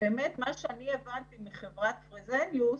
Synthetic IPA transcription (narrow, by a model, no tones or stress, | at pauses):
beːmet̪maʃeanievant̪imiχevʁat̪fʁizenju